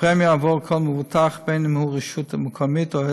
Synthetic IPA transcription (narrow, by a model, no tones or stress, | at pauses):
ɾɛmjəavɔlˠkʰɔlˠməvutʰaχbeɪnɪmhuʁəʃutəməkʰɔmɪtɔ